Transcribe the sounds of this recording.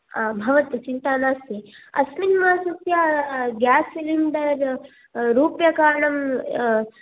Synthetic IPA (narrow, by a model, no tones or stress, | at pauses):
bʱɐʋɐt̪ɐt͡ʃint̪aːnaːst̪eɐ̰sminmaːsɐsjaɡjaːsʋiliɳɖɐɾ | ɾuːpjɐkaːɾɳɐm